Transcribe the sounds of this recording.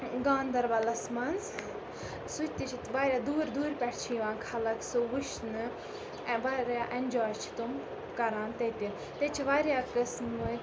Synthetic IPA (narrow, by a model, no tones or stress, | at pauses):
ɡãːnd̪ɐɾʋɐlɐsmɐnz | sut͡ʃʲt̪it͡ʃʰit̪ʋaːɾʲjaːd̪uːɾd̪uːɾʲpʲɛʈʰʲt͡ʃʰijiʋãːnkʰɐlɐksoʋuʃnɨ | ʋaɾjaːʔɐnʲd͡ʒaːt͡ʃʰi̥t̪um | kɐɾaːnt̪et̪ʲin | t̪et͡ʃʰiʋaːɾjaːkɨsmɨ